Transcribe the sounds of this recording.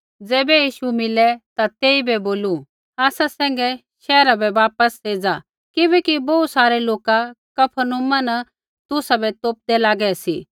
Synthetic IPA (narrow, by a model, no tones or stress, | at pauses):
d͡zɛːbɛjiːʃumɪlɛt̪at̪eːibɛboːlu | aːsasɛ̃ːŋ̆ɡɛ | ʃɛːɾabɛʋaːpəseːd͡za | kɪbɛːkibɔut̪saːɾɛloːkakɐpʰənʊmanɐ | t̪ʊsabɛt̪oːp̚d̪ɛlaːɡɛsḭː